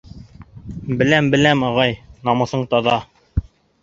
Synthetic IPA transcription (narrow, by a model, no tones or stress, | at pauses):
bɘ̆læmbɘ̆læmɑʁɑjnɑmɤ̆θɤɴt̪ɑðɑ